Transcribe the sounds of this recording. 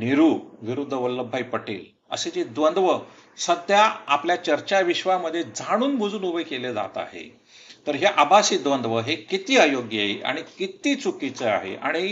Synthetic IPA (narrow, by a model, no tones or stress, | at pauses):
niɾuːʋiɾud̪ʱːəʋəlːəbʱːajpəʈḭːl | ə̰sed͡ʑed̪ʋənd̪ʋə | səd̪ʱjaapljat͡ɕəɾt͡ɕaʋiɕʋaməd̪ʱːjed͡zʱaɽ̃uːnbʱud͡zuːnubəjkeled͡za̰t̪a̰ɦḛ | t̪əɾɦeʔabasiːd̪ʋənd̪ʋəɦekit̪iːəjoɡjaɦiʔa̰ɽ̃ikit̪iːt͡sukit͡səa̰ɦḛʔa̰ɽ̃i